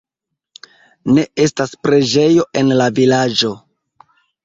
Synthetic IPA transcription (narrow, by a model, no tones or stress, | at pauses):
ne̞e̞staspɾe̞d͡ʒe̞jo̞ʔe̞nlavilad͡ʒo̞